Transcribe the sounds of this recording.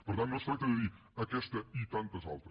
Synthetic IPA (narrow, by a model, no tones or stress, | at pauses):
pɨɾðɐ̃nɐ̃sfɐjt̪ɐðɐði | ɐkɛʃt̪ɐit̪ɐ̃nt̪ɐza̰lˠt̪ɾɐ